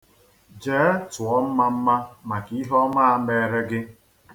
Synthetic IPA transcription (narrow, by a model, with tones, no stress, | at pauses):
d͡ʒe˨˦tʊ˨ɔ˦m̩˦ma˦m̩˦ma˦ma˨ki˦ɦɔ˦ma˦a˨˦me˨ɾe˦ɡɪ˦